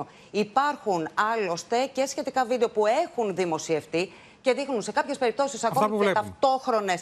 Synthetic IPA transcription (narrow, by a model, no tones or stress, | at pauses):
o | ipɐɾxunɐlo̞st̪e̞ce̞sçe̞t̪ikɐvid̪eo̞pue̞xunðimo̞sie̞ft̪i | ce̞ðixnunse̞kɐpçespe̞ɾip̚t̪o̞sisɐkoɐvlet̪ɐft̪o̞xɾo̞ne̞s